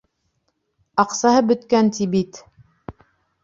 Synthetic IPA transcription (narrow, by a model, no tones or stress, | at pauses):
ɑqsɑɦɤbɵ̆t̪kænt̪ibit̪